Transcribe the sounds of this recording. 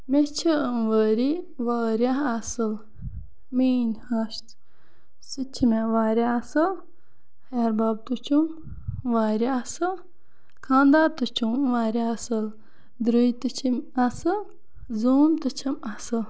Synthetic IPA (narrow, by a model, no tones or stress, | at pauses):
met͡ʃʰəmʋəːɾi | ʋaːɾʲaɦɐsɨl | miːnhɐʃt̪ | sɨt͡ʃʰimeʋaːɾʲjaɐsɨl | heɾbaːb̚t̪ut͡ʃʰum | ʋaːɾiɐsɨl | kʰãːnd̪aːɾt̪ut͡ʃʰumʋaːɾʲaɐsɨl | d̪ɾuit̪ɨt͡ʃʰimɐsɨl | zuːmt̪ɨt͡ʃʰɐmɐsɨl